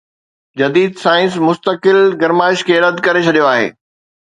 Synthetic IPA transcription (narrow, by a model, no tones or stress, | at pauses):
d͡ʑɐd̪iːd̪saːɪ̃nsmʊst̪əkɪlɡɐɾmaːɪʃkʰeːɾɐd̪kɐɾet͡ɕʰɐɗijoaːɦḛː